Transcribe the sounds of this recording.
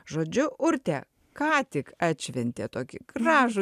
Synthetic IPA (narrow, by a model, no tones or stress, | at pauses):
ʒoːd͡ʒʲʊʔʊɾt̪ʲɛ | kɑːt̪ʲɪkɑːtʲʃʲʋʲɛnʲt̪ʲeːt̪oːkʲɪɡ̥rɑːʒʊ